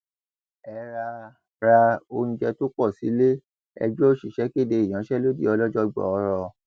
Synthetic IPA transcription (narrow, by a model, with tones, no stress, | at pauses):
ɛ˨ɾa˧ | ɾa˧o˧ñ̩˦˧d͡ʒɛ˧to˦k͡pɔ˦˨si˨˦le˦ | ɛ̰˧d͡ʒu˦o˦ʃi˦˨ʃɛ˨˦ke˦˨de˧i˨j̃ã˨˦ʃɛ˦lo˦dḭ˦˨ɔ˧lɔ˦d͡ʒɔ˦ɡ͡bɔ̰˨ɔ˧ɾɔ˧